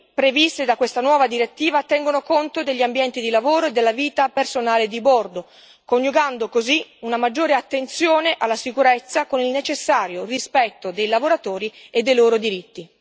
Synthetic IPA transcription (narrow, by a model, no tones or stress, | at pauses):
pɾevist̪ed̪akːwest̪anwɔːvad̪iɾet̪ːiːvat̪ɛŋɡonokont̪od̪eʎːiambjɛnt̪id̪ilavoːɾoed̪ːelːaviːt̪apersonaːled̪ibord̪o | koɲjuɡand̪okoziunamad͡ʒːoːɾeat̪ːent̪sjoːneʔalːasikuɾɛt̪sːakonilnet͡ʃesːaːɾjorispɛt̪ːod̪ejlavoɾat̪oːɾied̪ːejloːɾod̪iɾit̪ːi